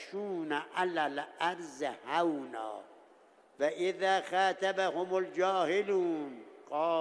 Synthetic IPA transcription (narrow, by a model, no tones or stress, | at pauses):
ʃuːnaʔalalʔaɾzhawnɑ̰ː | vaʔɪðaːxaːt̪abahomold͡ʒɑːhɪluːnqɑː